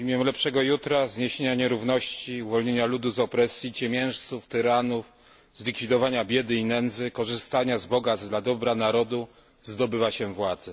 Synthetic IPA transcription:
imʲjɛmlɛpʂɛɡɔjut̪ɾazɲeɕeɲaɲɛɾuvnɔɕt͡ɕiuvɔlɲeɲalud̪uzɔpɾɛsjit͡ɕɛmʲjɛ̃w̃ʂt̪suft̪ɘɾanuf | zlʲikfʲid̪ɔvaɲabʲjɛd̪ɘinɛnd̪zɘkɔʐɘst̪aɲazbɔɡazd̪lad̪ɔbɾanaɾɔd̪u | zd̪ɔbɘvaɕɛvwad̪zɛ

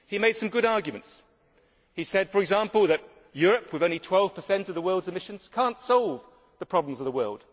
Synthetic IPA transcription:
himeɪd̥sʌ̃mɡʊɾɑɹɡjɨmɨ̰̃n̩ts | hisɛd̥fə˞ɨɡzæ̃mpəl̩ˠðɨʔ̚ | jʊɹɨpwɨðõʊ̃nlitʰw̥ɛlˠv̥pʰəsɛ̃ntʌvðəwɜ˞lˠdzɨmɪʃɨ̃n̩z̥kʰæ̃ntsɑlˠv | ðəpʰɹ̥ɑblə̃m̩zʌvðəwɜ˞lˠd̥

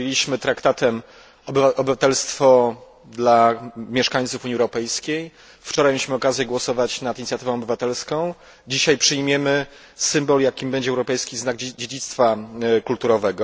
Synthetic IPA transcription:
jelʲiɕmɘt̪ɾakt̪at̪ɛm | ɔbaʔɔbɘvat̪ɛlst̪fɔ | d̪lamʲjɛʂkaɲ̃t̪sufuɲiɛwɾɔpɛjskʲej | ft͡ʂɔɾajmʲeiɕmɘɔkazʲjɛɡwɔsɔvat͡ɕnat̪iɲʲt̪sʲjat̪ɘvɔ̃ɔbɘvat̪ɛlskɔ̃w̃ | d͡ʑiɕajpʂɘjmʲjɛmɘ | sɘmbɔljakʲibɛɲd͡ʑɛwɾɔpɛjskʲiznaɡd͡ʑed͡ʑit̪st̪fakult̪uɾɔvɛɡɔ

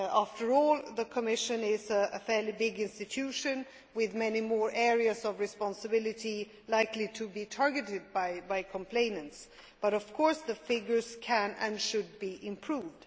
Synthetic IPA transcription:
æftə˞ɔlˠðəkʰəmɪʃɨ̃nɪzəə̰fɛlibɪɡɪ̃nstɨtʰʉʃɨ̃n | wɪðmɛnimɔɹʔɛɹiɨzʌvɹɨspɑ̃nsəbɪlˠɨɾi | laɪkliɾʰɨbitʰɑɹɡɨɾɨd̚baɪbaɪkʰə̃mpʰl̥ẽɪ̃nɨ̃nts | b̥ʌɾʌv̥kʰɔɹsðɨfɪɡjə˞z̥kʰɨ̃nɨ̰̃nʃɨd̚biʔɪ̃mpʰɹ̥uvd̥

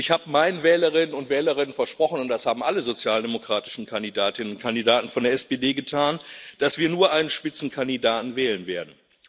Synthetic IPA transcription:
ʔɪçhaːbəmaɪnənvɛːləʁɪnənʊntv̥ɛːləʁ̞ɪnənfɛɐʃpʁ̥ɔχn̩ʊnt̚d̥ashaːbm̩ʔaləzot͡sjaːldemokʁ̥aːtɪ̥ʃn̩kʰandidaːtɪnənʊnkʰandidaːtn̩fɔndeɐʔɛspeːdeːɡətʰaːnd̥asv̥iːɐnuːɐʔaɪnənʃpɪt͡sn̩kʰandidaːtn̩vɛːlənveːɐdn̩

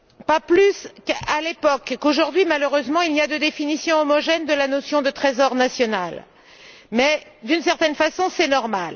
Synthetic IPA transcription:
paplyskalepɔkːoʒuʁd̪ɥimaløʁøzmɑ̃ilniad̪əd̪efinisjɔ̃ɔmɔʒɛnd̪əlanosjɔ̃d̪ət̪χezɔʁnasjɔnal | mɛd̪ynsɛʁt̪ɛnfasɔ̃sɛnɔʁmal

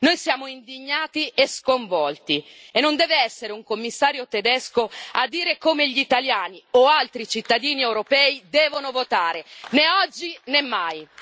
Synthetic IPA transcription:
nojsjaːmoind̪iɲːaːt̪ieskoɱvɔlt̪ienːond̪ɛːveɛsːeɾeuŋkomːisːaːɾjot̪ed̪ɛskoad̪ːiːɾekoːmeʎit̪aljaːnioalt̪ɾit͡ʃit̪ːad̪iːniewɾopɛːid̪ɛːvonovot̪aːɾeneɔd͡ʒːinemːaj

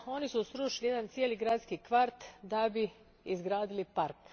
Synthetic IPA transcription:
o̞nisusɾuːʃilijed̪ant̪sijeːliɡɾaːdt̪skikʋaɾt̪d̪abi | izɡɾaːd̪ilipaɾk

